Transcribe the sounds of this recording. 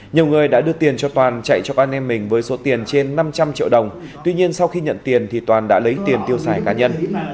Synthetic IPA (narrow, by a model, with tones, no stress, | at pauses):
ɲi˨˩əwŋɨ˨˩əjɗa̰ː˧˥ɗɨ˧ət̪i˨˩ənt͡ɕɔ˧t̪waː˨˩nt͡ɕa̰˧˨jt͡ɕɔ˧kaː˧nʔɛ˧mːï˨˩ŋ̟vəː˨˦jso˨˦t̪i˨˩ənt͡ɕe˧nːa˧mt͡ɕa˧mt͡ɕḭ˧əwɗə˨˩wŋ͡m | t̪wi˧ɲi˧ənsa˧wxi˧ɲə̰˧˨nt̪i˨˩ənt̪ʰi˨˩t̪waː˨˩nɗa̰ː˧˥lə˨˦jt̪i˨˩ənt̪i˧əwsaː˧˩jkaː˨˦ɲə˧n